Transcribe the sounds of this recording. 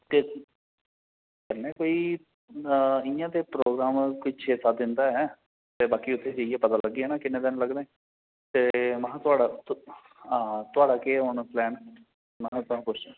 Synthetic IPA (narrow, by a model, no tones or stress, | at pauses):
t̪eː | kəlːẽːkoːiː | ɪjãːt̪eːpɾoːɡɾaːmkʊit͡ʃʰeːsaːd̪ɪnd̪aːɦɛː | t̪eːbaːkiːʊt̪ʰːeːd͡ʒeieːpət̪aːləɡːiɛːnaːkɪnẽːd̪ɪnləɡd̪ẽː | t̪eːməɦãt̪ʊaːɽaːt̪ | at̪ʊaːɖaːkeːaːnũːplɛːn | mɛ̃t̪ʊãːpʊt͡ʃʰa